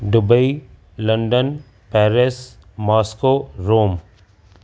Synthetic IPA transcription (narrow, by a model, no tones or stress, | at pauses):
ɖʊbəi | lə̃ɳɖən | pɛːɾɪs | mɔːskoɾoːm